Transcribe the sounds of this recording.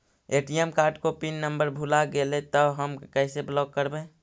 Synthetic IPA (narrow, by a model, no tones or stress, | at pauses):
eːʈijemkaːɾʈkopinːəmbəɾbʱulaɡelet̪əɦəmkɛseblɔːɡ̚kəɾbẽː